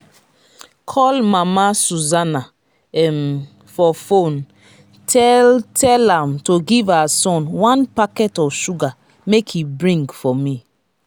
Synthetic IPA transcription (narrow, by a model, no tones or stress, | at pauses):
kʰɔlmamasuzana | ɛm | fɔfõn | tʰɛltʰɛlãmtoɡivasɔ̃nwãnpakɛtɔvʃuɡa | mekʰhibɹĩŋɡfɔmi